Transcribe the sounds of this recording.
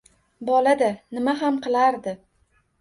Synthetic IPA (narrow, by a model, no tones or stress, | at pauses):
bɒlad̪anɪmaɦamqʰɨlˠaɾd̪ɪ